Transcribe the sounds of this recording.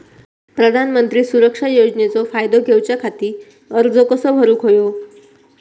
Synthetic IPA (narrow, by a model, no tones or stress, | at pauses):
pɾəd̪ʱanmənt̪ɾiːsuɾəkʂajod͡znet͡sɔfajd̪ʱoɡʱewt͡ɕjakʰat̪iː | əɾd͡zokəsəbʱəɾuːkɦojo